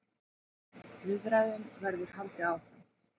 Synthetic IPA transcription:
vɪðɾajðʏmvɛɾðʏɾ̥halt̪ɪawf

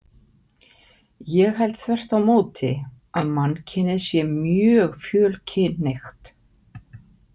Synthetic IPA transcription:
jɛɣɦɛl̥t̪θvɛr̥t̪awmoːwt̪ɪ | amanːcʰɛnːɪðsjɛmjœːɣfjœːlcʰɪnnejxt̪

